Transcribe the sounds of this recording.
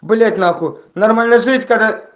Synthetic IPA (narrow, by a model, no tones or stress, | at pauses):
bɨlʲet̪ʲnaxunɐrmalʲnəʐɨtʲkad̪a